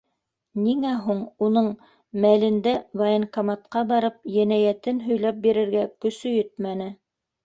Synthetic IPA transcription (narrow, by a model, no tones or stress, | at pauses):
niŋæɦuɴunɤɴ | mælɘ̆nd̪ævɐɤnkɐmat̪qɑbɑɾɤp̚jænæjæt̪ɘnɦɵ̆jlɑp̚biɾɘ̆ɾɡækɵ̆sɵjɵt̪̚mænɘ